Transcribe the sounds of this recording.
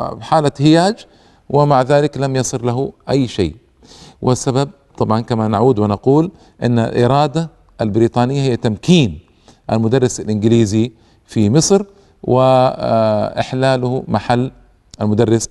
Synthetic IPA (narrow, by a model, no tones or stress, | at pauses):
ħaːlahɪjaːd͡ʒ | wʔɪmaʕðaːlɪklamjɑsˤɨɾlaɦʊʔajːʃḛː | wʔɪsːabab̚t̪ˤɑbʕɑnkamanaʕuːd̪wɪnɑquːl | ʔɪ̰nːa̰lʔɪɾˤɑːd̪a | ʔalbɪɾiːt̪ˤɑːnɪjːahɪjːat̪amkiːn | ʔa̰lmʊd̪ɑrˤːɪsalʔɪnɡɪliːzi | fimɨsˤɾ | wɪ | ʔɪ̰ħlaːlʊhmaħalː | ʔalmʊd̪ɑrˤːɪs